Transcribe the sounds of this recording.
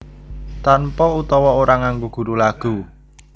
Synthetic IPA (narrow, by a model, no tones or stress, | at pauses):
t̪anpɔut̪ɔwɔoɾaŋaŋɡuɡ̥ṳɾulaɡ̥ṳ